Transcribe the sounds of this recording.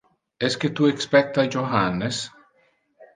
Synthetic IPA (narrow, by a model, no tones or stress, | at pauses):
esket̪uekspɛk̚t̪ad͡ʒoxanes